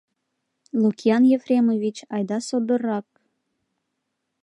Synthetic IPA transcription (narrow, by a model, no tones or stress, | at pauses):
lukʲijɑnjefrʲemovʲit͡ɕɑjd̪ɑsod̪ə̆rɑk̚